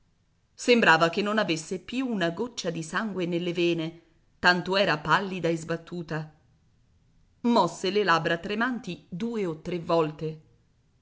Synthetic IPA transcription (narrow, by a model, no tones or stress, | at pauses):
sembɾaːvakenːonavesːepjuːnaɡot͡ʃːad̪isaŋɡwenelːevɛːne | t̪ant̪oɛːɾapalːid̪aezbat̪ːuːt̪a | mɔsːelelabɾat̪ɾemant̪id̪uːeot̪ːɾevːɔlt̪e